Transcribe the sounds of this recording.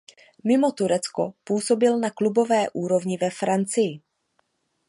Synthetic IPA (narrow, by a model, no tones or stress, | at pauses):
mɪmo̞t̪uɾɛt͡sko̞puːso̞bɪlnaklubo̞vɛːʔuːɾo̞vɲɪvɛfɾant͡sɪjɪ